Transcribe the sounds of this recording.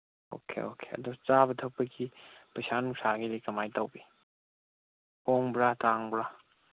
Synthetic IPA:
o̰kʰḛokʰe̥ɐ̰dot͡ʃabɐtʰɐk̚pɐɡipɐsanuŋsaɡidikɐmajtɐwbi | hoŋbɾataŋbɾa

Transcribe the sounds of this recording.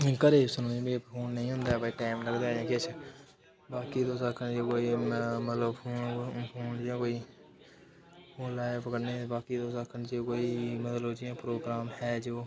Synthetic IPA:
kəɾeːsənõːĩːbepʰoːnːəĩːɦʊ̃nd̪aːbaiːʈaːɪmləɡd̪eːãːkɪt͡ʃʰ | baːkiːt̪oːsakʰənd͡ʒeːkoːiːmət̪ləbpʰoːnpʰoːnãːkoːiː | pʰoːnlaːpəkəɽneːbaːkiːt̪oːsakʰənt͡ʃeːkoːiːmət̪lbt͡ʃiãːpɾoːɡɾaːmhɛːd͡ʒooː

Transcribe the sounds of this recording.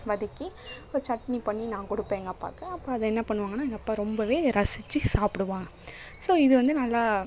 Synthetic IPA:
ʋɐðɪkːioɾt͡ʃɐʈnipɐɳːinãːkʊɽɯpːeːŋɡɐːpːa̰ːkːɯɐpːoːɐðɐɛnːɐpɐɳːɯʋaːŋɡɐnːaːɛŋɡɐpːaːɾɔmbɐʋeːɾɐsɪt͡ʃːisaːpɪɽɯʋaːŋɡɐ | soːɪðɯʋɐnd̪ɯnɐlːaː

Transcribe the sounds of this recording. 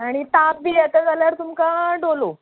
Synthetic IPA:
aɽ̃it̪ap̚biːjat̪ad͡zʱaljaɾt̪umkaɖolo

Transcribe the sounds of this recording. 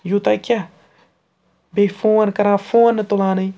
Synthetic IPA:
jut̪akʲa | befũankaɾãfũanət̪olana

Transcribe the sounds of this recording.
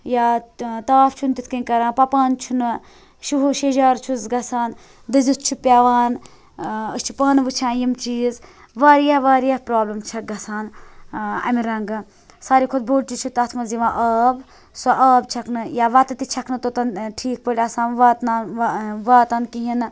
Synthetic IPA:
jaːt̪aːft͡ʃʰunt̪it̪ʰkinʲkɐɾãːpɐpaːnt͡ʃʰunɨ | ʃuɦʃeʒaːɾt͡ʃʰuzɡɐsaːn | d̪ɨzɨst͡ʃʰupʲjaːʋaːn | əst͡ʃʰi̥pɐːnɨʋɨt͡ʃʰãːnjimt͡ʃiːz | ʋaːɾijaːʋaːɾijahpɾaːblɐmt͡ʃʰɐɡɐsaːn | ɐ̰miɾɐŋɡɨ | saːɾikʰod̪̚bʱoːɽ̚t͡ʃit͡ʃʰut̪ɐt̪ʰmɐnziʋãːʔaːb | soʔaːbt͡ʃʰɐknɨjaːʋɐt̪ɨt̪it͡ʃʰɐkʰnɨt̪ot̪ɐnʈʰiːk̚pəɽʲɐsaːnʋaːt̪naːnʋaːt̪aːnkiɦin

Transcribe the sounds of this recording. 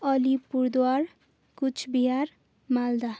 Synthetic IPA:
ʌlipuɾd̪war | kut͡ʃʰbiɦar | mald̪a

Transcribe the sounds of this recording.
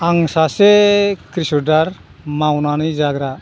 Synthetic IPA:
aŋsasɛkɾisɔdaɾ | mawnanid͡ʒaɡɾa

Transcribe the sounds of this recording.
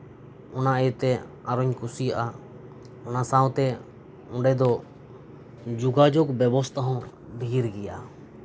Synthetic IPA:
ɔnaʔɛjut̪ɛ | aɾɔɲkusijaʔa | ɔnasaw̃t̪ɛ | ɔ̃ɖɛd̪ɔ | d͡ʒuɡad͡ʒɔkbɛbɔst̪ʰaɦɔ̃ | bʱiɾɡɛja̰ʔa

